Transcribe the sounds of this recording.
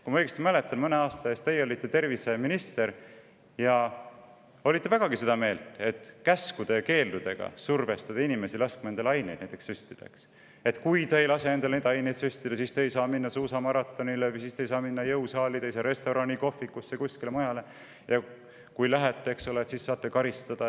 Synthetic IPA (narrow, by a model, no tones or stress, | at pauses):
kumɑɤ̞jɡest̪imæle̞t̪ːˑɑnmɤneɑːst̪ɑe̞ːst̪e̞jo̞lʲit̪ːˑet̪e̞rvise̞minist̪e̞ɾ | jɑ | o̞lit̪ːe̞væɡ̥ɑɡise̞d̪̥ɑme̞ːlt̪e̞t̪kæskud̪̥ejɑke̞ːld̪ud̪̥e̞ɡ̥ɑ̰surve̞st̪ɑd̪̥ɑinime̞silɑsk̚mɑend̪elɑjne̞jd̪næjt̪ːˑekssysʲt̪id̪̥eks | e̞t̪kujt̪eejlɑse̞ne̞nd̪elned̪eɑjnejt̪sysʲt̪id̪̥ɑsist̪ejsɑːminːɑsuːsɑmɑɾɑt̪ˑːo̞nilevɨjsiːst̪e̞jsɑːminːɑjɤwsɑːlid̪ejsɑɾe̞st̪oɾɑniko̞fːikːusːekusʲkilemɑjɑle̞ | jɑ | kujlæɦet̪ːˑeeksolet̪sisːɑːt̪ːˑekɑɾist̪ɑd̪̥ɑ